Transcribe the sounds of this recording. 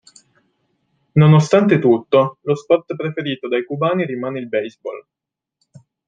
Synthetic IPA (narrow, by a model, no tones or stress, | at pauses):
nonost̪ant̪et̪ut̪ːolospɔrt̪pɾefeɾiːt̪od̪ajkubaːniɾimaːneilbɛjzbɔ̰l